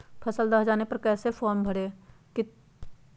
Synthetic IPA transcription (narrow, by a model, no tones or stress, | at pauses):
pʰəsəld̪aːɦd͡ʒaːnepɐɾkɛːsepʰɔːɾmbʱəɽeːkɪ